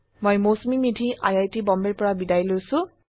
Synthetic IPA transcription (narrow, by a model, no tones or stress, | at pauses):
mojmosmimidʰʱiʔa̰jajtibɔmbeɹpɔɹabidajlojsʊ̃